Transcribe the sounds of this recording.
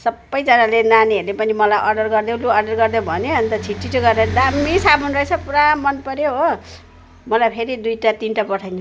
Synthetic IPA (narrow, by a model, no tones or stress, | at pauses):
sʌbːʌjd͡zʌnalenaniɦʌrlepʌnimʌlajʔʌrɖʌrɡʌrd̪ẽluʌrɖʌrɡʌrd̪ẽbʱʌneʌnt̪ʌt͡sʰiʈːit͡sʰuɡʌrnʌd̪amisabʱʌnrʌet͡sʰʌpuɾamːʌnpʌɾjoɦo | mʌlajpʰeɾid̪ujʈat̪inʈapʌʈʰajnʰu